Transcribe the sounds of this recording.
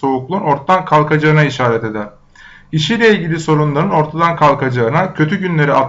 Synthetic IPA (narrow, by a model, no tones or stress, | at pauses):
o̞uklˠuːno̞ɾt̪t̪ːankʰalˠkʰad͡ʒaɯnaiʃaːɾɛt̪e̞d̪ɛ | iʃijlʲeilʲɟilʲiso̞ɾunlˠaɾɯno̞ɾt̪ʰad̪ankʰalˠkʰad͡ʒaɯnacʰø̞t̪ʰyɟynlʲe̞ɾiat̪